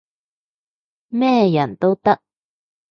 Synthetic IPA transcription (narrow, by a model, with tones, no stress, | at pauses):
mɛ˥˦˨ja˨nt̪o˦wt̪a˦ʔ̚